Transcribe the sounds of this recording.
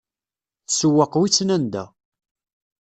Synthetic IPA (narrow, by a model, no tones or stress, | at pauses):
θsəwːəqwit͡sːnænd̪æ̰